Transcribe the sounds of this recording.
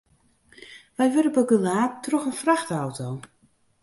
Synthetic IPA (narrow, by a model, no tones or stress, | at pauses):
ʋɛjʋøɾəbəɡəlaːtrɔxənfraxtawtʰow